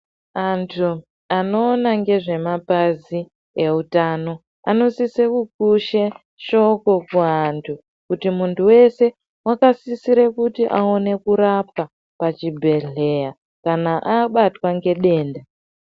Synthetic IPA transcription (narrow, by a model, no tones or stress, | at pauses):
antʰu | ano̞ːnaŋɡe̞ʐe̞mapazi | e̞utaːno̞ | a̰no̞sisekuk̚uʃe | ʃo̞ko̞kuantʰu | kutimuntʰuwe̞se̞ | wakasisiɾekutiʔao̞ne̞kuɾapa | pat͡ʃibʱe̞ɮe̞ja | kanaʔaɓatwaŋɡe̞ɗe̞ːnda